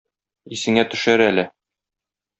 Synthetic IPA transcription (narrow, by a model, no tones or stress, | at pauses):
isɘ̆ŋæt̪ɵ̆ʃæɾælɘ